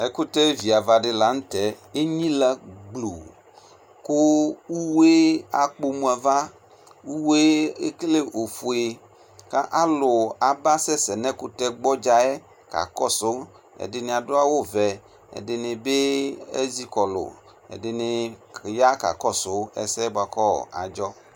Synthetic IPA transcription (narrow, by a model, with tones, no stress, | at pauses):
e˦ku˦t̪ɛ˦vi˨a˨va˨ɖɪ˦la˨ŋ̩̃˦t̪ɛ˨e˦ɲĩ˦la˦ɡ͡blu˨ | ko˦wu˦we˦a˨k͡po˦mũ˨˦a˨va˦ | wu˦we˦e˦kle˦ʔo˨fu˨e˨ | ka˦ʔa˦lʊ˨a˨ba˦sɛ˦sɛ˨nɛ̃˦ku˦t̪ɛ˦ɡ͡bɔ˦d͡ʒa˨ɛ˦ | ka̰˨kɔ˦so˨˦ | ḛ˨dɪ˨nẽ˨a˨do˦a˦wo˦vɛ˨ | ḛ˨dɪ˨nɪ̃˨be˦ḛ˦zi˦kɔ˨lʊ̰˨ | ḛ˨dɪ˨nɪ˨ja˦ka̰˨kɔ˦so˨˦ḛ˦sɛ˦ba˨kɔ̰˦˨a̰˨d͡ʒɔ˦